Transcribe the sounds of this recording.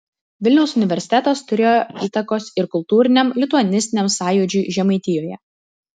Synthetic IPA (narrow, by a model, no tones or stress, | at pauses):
ʋʲɪlʲnʲɛʊsʊnʲɪʋʲɛɾʲsʲɪ̥t̪ʲɛːt̪oːst̪ʊɾʲeːjoiːt̪ɐkoːsɪɾkʊlˠt̪uːɾʲɪnʲɛmlʲɪt̪ʊɐnʲɪsʲt̪ʲɪnʲɛmsɑːjud͡ʒʲuːʒʲɛmɐɪt̪ʲɪjoːjɛ̰